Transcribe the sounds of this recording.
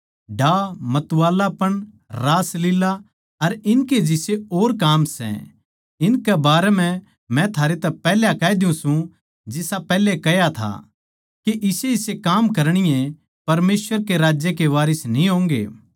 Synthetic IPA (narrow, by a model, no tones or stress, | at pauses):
ɖaːmɐt̪uwaːlapɐɽ̃ | ɾaːslɪla | ɐɾɪnked͡ʒɪseoːɾkaːmsɛ̰ | ɪnkɛbaːɾɛmɛ̃ | mɛ̃t̪ʰaːɾet̪ɛpɛːljakɛːd̪ɪjũsũ | d͡ʒɪsapɛːlekɛjat̪ʰa̰ | keʔɪseɪsekaːmkɐɾɽ̃ɪjẽ | pɐɾmeːsʋəɾkeɾaːd͡ʒjekeʋaːɾɪsnĩɦõːŋɡḛː